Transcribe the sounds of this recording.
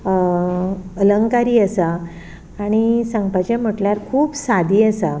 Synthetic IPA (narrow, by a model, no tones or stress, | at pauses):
ələŋkaɾiːəsaː | ɽ̃isəŋɡpat͡ɕẽm̤əʈljaɾkʰuːpsad̪ʱiːəsa